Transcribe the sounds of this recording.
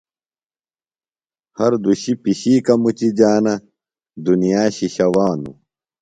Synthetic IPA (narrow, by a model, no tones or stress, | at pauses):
hɐɾd̪uɕipiɕiːkɐmut͡ɕid͡ʑaːnɐ | d̪unijaːɕiɕɐwaːnṵ